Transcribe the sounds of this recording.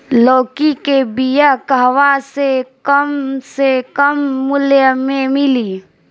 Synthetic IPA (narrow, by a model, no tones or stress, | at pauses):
loːkikebijəkəɦʋasekəmsekəmːʊljəmẽmɪli